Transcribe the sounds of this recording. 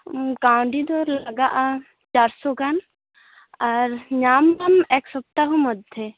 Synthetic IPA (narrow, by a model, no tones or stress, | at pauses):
kãwɳɖid̪ɔɾlɐɡaʔa | t͡ʃaɾsoɡan | ɐɾɲaːmɾɐmɛksɔp̚t̪aɦumɔd̪ʱe